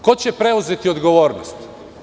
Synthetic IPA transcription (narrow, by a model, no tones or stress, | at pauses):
ko̞t͡ɕepɾe̞uze̞t̪iod̪ɡo̞ʋoːɾnost̪